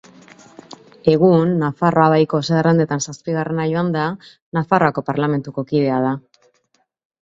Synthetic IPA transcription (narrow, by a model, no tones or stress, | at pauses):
e̞ɣ̞unːafarʔo̞aβajko̞seɣarand̪e̞t̪ansaspiɣare̞najoand̪a | nafaroako̞paɾlame̞nt̪uko̞kið̞e̞aða